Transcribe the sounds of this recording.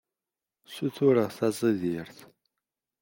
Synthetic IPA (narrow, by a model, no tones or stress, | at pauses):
suθʊɾəʁθɑzˤiðiɾθ